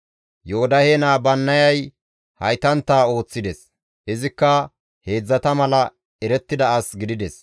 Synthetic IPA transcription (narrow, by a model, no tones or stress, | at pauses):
joɔd̪ɐheːnaːbɐnːɐjɐj | hɐjt̪ɐnt̪ːaːo̞ːt͡sːɪd̪ɛs | hɛzɪkːɐ | he̞ːd͡zːɐt̪ɐmɐlɐ | ɛɾɛt̪ːɪd̪ɐɐsɡɪd̪ɪd̪ɛs